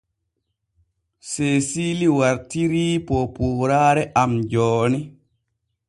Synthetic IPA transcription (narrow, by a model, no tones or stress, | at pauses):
seːsiliwaɾtiɾiːpɔpuːɾaːɾɛʔamd͡ʒɔːni